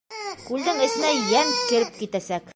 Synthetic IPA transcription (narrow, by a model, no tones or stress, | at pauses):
kʉld̪ɘŋɘ̆sɘ̆næjænkɘ̆ɾɘp̚kit̪æsæk